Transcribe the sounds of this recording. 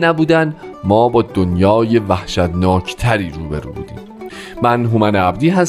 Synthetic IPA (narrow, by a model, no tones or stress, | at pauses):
næbuːd̪æn | mɒːbɒːd̪onjɒːje̞væhʃæt̪nɒːcʰt̪ʰæɾiːɾuːbeɾṵːbṵːd̪ḭːm | mænɦumæneæbd̪iːɦæs